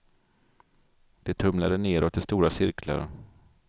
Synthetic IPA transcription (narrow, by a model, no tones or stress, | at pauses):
d̪̥ɛt̪ʰɵmlad̪əneːɾɔt̪̚d̪ɛst̪uːɾasɪɾkʰla̰ɾ